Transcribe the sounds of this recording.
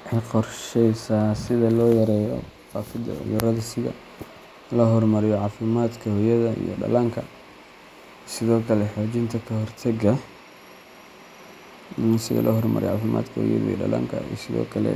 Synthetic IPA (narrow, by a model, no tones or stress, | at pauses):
ʕɪqɔrʃɛjsaːsɪðɐlɔːjɐɾɛːjɔ̰faːfɪd̪ɐ̰ʕʊ̰jʊɾɐðɐsɪɣɐ̰ | lɐɦɔrmɐɾɪjɔʕɑːfɪmaːd̪kʰɐhɔjɐðɐḭjɔ̰ɖɐ̰laːŋkʰɐ | sɪðɔːkʰɐlɛħoːt͡ʃɪnt̪ʰɐkʰɐɦɔrt̪ʰɐɡɐ | sɪɣɐ̰lʔɔɦɔrmɐ̰ɾɪ̰jʕɑːfɪma̰ːd̪kʰɐhɔ̰jɐ̰ðɐ̰ḭjɖɐ̰lɐ̰ːŋkʰɐ̰isɪðɔ̰ːkʰɐlɛ̰